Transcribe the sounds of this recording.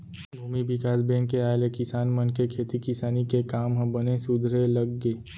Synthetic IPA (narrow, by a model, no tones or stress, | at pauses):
bʱuːmibɪkaːsbẽːŋkːeaːelekɪsaːnmɐnkekʰeːt̪ikɪsaːnikekaːmɦɐ̃bənesʊd̪ʱɾelɐɡːeː